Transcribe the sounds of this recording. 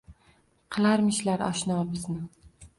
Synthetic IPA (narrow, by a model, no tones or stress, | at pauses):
qʰɨlˠaɾmɪʃlaɾɒ̰ʃnɒbɪznɪ